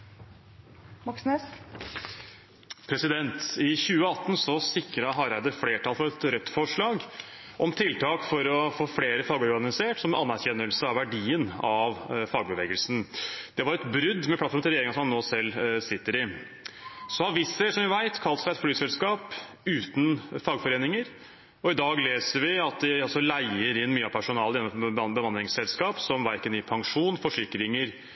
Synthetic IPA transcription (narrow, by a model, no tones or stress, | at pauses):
mɑksnɛs | pʰɾɛsɪd̪ɛnt̪ɪçʉːəɑt̪ːn̩sɔsɪkɾəɑɦɑɾæɪd̪əɾfleːʈʰɑlfɔɾɛt̪ɾœt̪ːfɔʂɭɑːɡ | ʔɔmt̪ʰɪlt̪ʰɑːkfɔɾɔfoːfleːɾəfɑːɡɔɾɡɑnɪseːʈsɔmɑnːæɾçɛnːəlsəɑʋʋæɖiːənɑʋfɑːɡ̚bəʋeːɡəlsn̩d̪̥ɛʋɑɾɛt̪bɾʏd̪ːmɛp̪ʰɑt̪fɔm̩ɪlɾjeːɪŋɑsɔmɑnːoːsɛlːsɪt̪ːəɾɪ | sɔhɑɾʋɪsːəʂɔmʋɪʋæɪt̪kʰɑlt̪sæɪɛt̪flyːsɛlskɑːp | ʉːt̪n̩fɑːɡfɔɾeːnɪŋəɾ | ɔɪd̪ɑːɡleːsəɾʋɪɑt̪̚d̪ɪɑlsɔlæɪəɾɪnːmyːəɑpʰæʂʊnɑːləɛnɔbbəmɑnd̪ɾɪŋsɛlskɑːpsɔmʋæɾkənɪpʰɑŋʂuːnfɔʂɪkːɾɪŋəɾ